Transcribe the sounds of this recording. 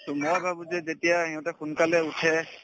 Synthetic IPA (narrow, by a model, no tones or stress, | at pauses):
sumɔjbʱabuzɛzetijaɦiɔ̃tɛxunkalɛutʰɛ